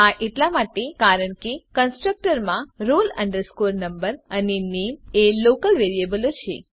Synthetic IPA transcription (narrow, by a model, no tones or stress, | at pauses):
aʔeʈlamaʈekaɾəɳ̃kekənsʈɾək̚ʈəɾmãɾoləɳɖəɾskoɾnəmbəɾanenemelokəlʋeɾiebəlot͡ʃʰḛ